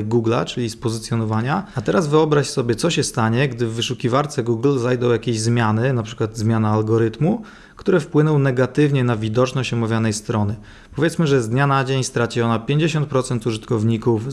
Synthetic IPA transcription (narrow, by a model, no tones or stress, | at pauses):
ɡuɡla̰t͡ʂɘlʲispɔzɘt̪sjɔnɔvaɲaat̪ɛɾazvɘɔbɾaɕsɔbʲjɛt̪sɔɕɛst̪aɲɛɡd̪ɘvːɘʂukʲivaɾt̪sɛɡuɡlzajd̪ɔ̃w̃jakʲeʑzmʲjanɘnapʂɘ̥kwad̪zmʲjanaːlɡɔɾɘt̪mu | kt̪uɾɛfpwɘnɔ̃wnɛɡat̪ɘvɲɛnavʲid̪ɔt͡ʂnɔɕt͡ɕɔmavʲjanɛjst̪ɾɔnɘ | pɔvʲjɛt̪smɘʐɛzd̪ɲanad͡ʑeɲst̪ɾat͡ɕiɔnapʲjeɲd͡ʑeɕɔnt̪̚pɾɔt̪sɛnt̪uʐɘt̪kɔvɲikuf